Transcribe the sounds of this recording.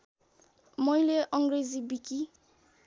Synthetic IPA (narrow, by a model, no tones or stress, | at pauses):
mʌjleʔʌŋɡrezibiki